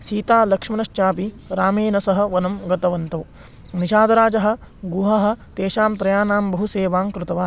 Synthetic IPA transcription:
ʃiːt̪aːlɐkʂmɐnɐʃt͡ʃaːpi | ɾaːmeːnɐsɐɦɐ̆ʋɐnɐmɡɐt̪ɐʋɐnt̪ɐw | niʃaːd̪ɐɾaːd͡ʒɐɦɐ̆ | ɡuɦɐɦɐ̆t̪eːʃaːmpɾɐjaːnaːmbɐɦuseːʋaːmkɾɪt̪ɐʋaː

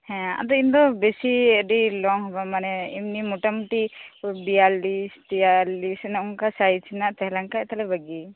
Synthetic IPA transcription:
hɛ̃a̰d̪ɔind̪ɔbɛsiəɖilɔŋɦɔbamanɛimnimɔʈamʈibialist̪iallisɛnaunkasajt͡ʃʰinaʔt̪ɛɦɛlaŋkaʔt̪alɛbaɡi

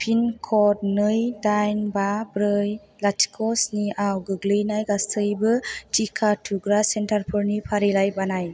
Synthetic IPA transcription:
pʰinkʰɔt̚nɯjdajnbabɾɯj | latʰkʰɔsniʔawɡɯɡlɯjnajɡastʰɯjbɯtʰikʰatʰuɡɾasentaɾpʰɯɾnipʰaɾilajbanaj

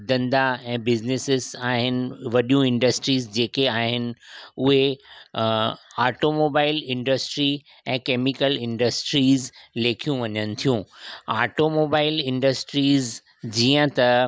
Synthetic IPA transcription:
d̪ɐ̃nd̪aɛ̃ːbɪznɪsɪzaːɦɪnɪ̆ʋɐɗijũɪ̃ɳɖəsʈɾiːzd͡ʑeːkeaːɦɪnɪ̆ʊɦe | aːʈomoːbaːɪlɪ̃ɳɖəsʈɾi | ɛ̃ːkeːmɪkəlɪ̃ɳɖəsʈɾiːzleːkʰijũʋɐɲənɪ̆t̪ʰijũːaːʈomoːbaːɪlɪ̃ɳɖəsʈɾiːz | d͡ʑiːə̃t̪ɐ

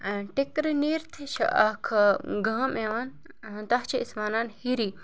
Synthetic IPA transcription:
ʈikɾɨniɾt̪ʰʃʰɐ̰ʔɐkʰɡɐmeːʋaːn | t̪ɐɦt͡ʃʰiismaːnaːnhiɾiː

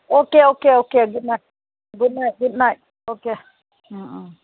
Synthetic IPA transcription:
okeokeokeɡudnaɪt̚ | ɡud̚naɪt̚ɡudnaɪt̚ | oke | m̩

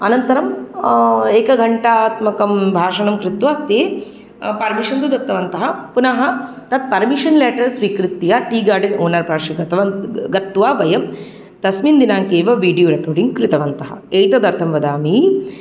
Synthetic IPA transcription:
ɐnɐnt̪ɐɾɐm | eːkɐɡʱɐɳʈaaːt̪mɐkɐmbʱaːʂɐnɐmkɾɪt̪ʋaːt̪eː | pɐɾmiʃɐnd̪ud̪ɐt̪ːɐʋɐnt̪ɐɦɐpunɐɦɐ | t̪ɐt̪̚pɐɾmiʂɐnleːʈɐɾsʋikɾit̪ːijaʈiːɡaːɾɖinoːnɐɾpaːɾʂiɡɐt̪ɐʋɐnɡɐt̪ːʋaːʋɐjɐm | t̪ɐsmind̪inaːŋkeːʋɐʋiːɖjoːɾekoːɾɖiŋɡkɾɪt̪ɐʋɐnt̪ɐɦɐ̰ejt̪ɐd̪ɐɾt̪ʰɐmʋɐd̪aːmi

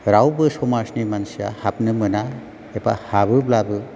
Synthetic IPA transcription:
ɾawbɯsɔmasnimansija̰hapnɯmɯna | epa̰habɯblabɯ

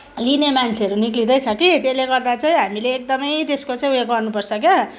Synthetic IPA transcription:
linemant͡sʰeʌɾuniklid̪ʌjt͡sʰʌkit̪eleɡʌrd̪at͡sʌj̃ɦamileːk̚d̪ʌmʌjt̪eskot͡saĩujekɡʌrnupʌrt͡sʰʌkjʌ

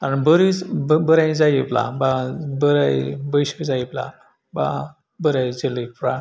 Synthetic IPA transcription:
abəɾit͡sbbəɾajd͡zajipla̰babəɾajbəjɕid͡zajipla̰ | ba̰ | bəɾajd͡zəlipɾa

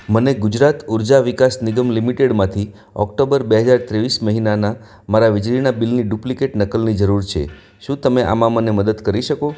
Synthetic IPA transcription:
məneɡud͡ʒɾat̪uɾd͡ʒaʋikasnɪɡəmlimiʈeɽmãt̪ʰi | ɔ̰kʈobəɾbeɦəd͡ʒaɾt̪ɾeʋisməɦinana | maɾaʋɪd͡ʒɾinabilniɖuplikeʈnəkəlnid͡ʒəɾuɾt͡ʃʰḛ | ʃũt̪əmeʔa̰mãməneməd̪əd̪kəɾiʃəko

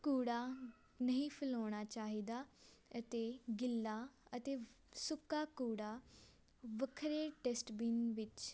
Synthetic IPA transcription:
kuːɽa | nɐɦĩpʰɪloːɽ̃aːt͡ʃaːɦiːd̪aːət̪eːɡɪlːaːət̪eː | sʊkːakuːɽaː | ʋəkʰɾeʈesʈbiːnʋɪt͡ʃ

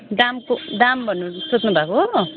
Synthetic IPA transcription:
d̪amkod̪ambʱʌnːusot̪nubʱako

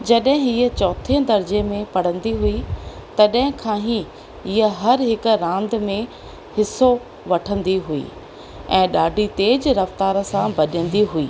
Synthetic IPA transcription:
d͡ʑɐɗɦɪ̃ɦiːət͡ɕɔːt̪ʰẽd̪ɐɾd͡ʑemẽpɐɽ̤ə̃nd̪iɦuit̪ɐɗɦɪ̃kʰãːɦi | iəɦɐɾɦɪk̆ɾãːnd̪mẽ | hɪso | ʋɐʈʰə̃nd̪iɦuḭː | ɛ̃ːɗaːɖʱit̪eːd͡ʑɾɐft̪aːɾəsãbɐʄə̃nd̪iɦuḭː

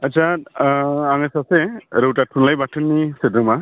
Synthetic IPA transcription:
ətːsʰa | aŋesaseɾɯwtatʰunlajbaʈʰɯnːisedɾɯma

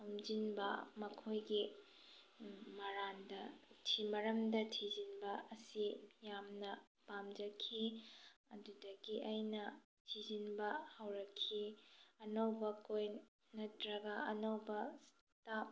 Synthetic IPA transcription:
omd͡ʒinbɐmɐkʰojɡi | mɐɾandɐtʰimɐɾɐmdɐtʰid͡ʒinbɐːsijamnɐ | pamd͡ʒɐkʰiɐdudɐɡiʔɐjnɐ | tʰizinbɐhɐwɾɐkʰːiɐnɐwbɐkoj | nɐtɾɐɡɐɐnɐwbɐs | tap̚

